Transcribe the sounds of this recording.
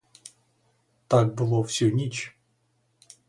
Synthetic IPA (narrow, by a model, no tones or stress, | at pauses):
t̪ak̚bɨlˠofsʲɵnʲit͡ɕ